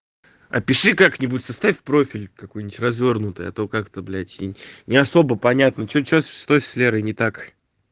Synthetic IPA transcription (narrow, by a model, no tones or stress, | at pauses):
ɐ̰pʲɪʂɨkaknʲɪbutʲsɐst̪afʲpɾo̞fʲɪlʲkɐkojnʲɪtʲrɐzvʲo̞rnʊt̪ɨjɐ̰t̪okakt̪ɐblʲætʲḭnʲɪɐso̞bəpɐnʲat̪nət͡ɕot͡ɕosɨ̥st̪ojsʲsʲlʲeɾɨnʲɪt̪ak